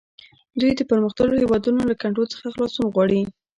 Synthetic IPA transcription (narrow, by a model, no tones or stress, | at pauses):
d̪ujd̪əpəɾməxt̪aɡohewɑd̪unolakaɳʈolt͡sə̥xaxlɑsumɣwɑɽi